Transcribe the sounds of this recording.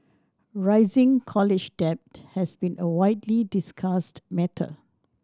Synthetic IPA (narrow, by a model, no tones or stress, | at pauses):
ɹaɪzɪ̃ŋkʰɔlɪd͡ʒdɛp̚thɛsbĩnəwaɪtlidɪskʰastmɛtʰə̰